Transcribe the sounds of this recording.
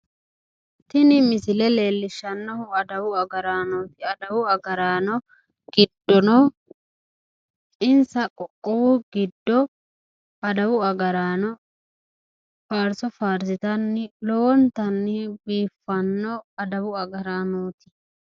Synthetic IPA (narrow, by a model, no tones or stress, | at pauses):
t̪ːɪnɪmɪsɪlɛle̞ːlːɪʃːɐnːɔhʊɐd̪ɐwʊɐɡɐɾaːnoːt̪ɪɐd̪ɐwʊɐɡɐɾaːnɔ | ɡ̥ɪd̪ːɔnɔ | t͡ʃʼɪnsɐkʼɔkʼːɔwʊɡɪd̪ːɔ | ɐd̪ɐwʊɐɡɐɾaːnɔ | faːɾsɔfaːɾsɪt̪ɐnːɪlɔwɔnt̪ɐnːɪbiːfːɐnːɔɐd̪ɐwʊɐɡɐɾaːnoːt̪ɪ̥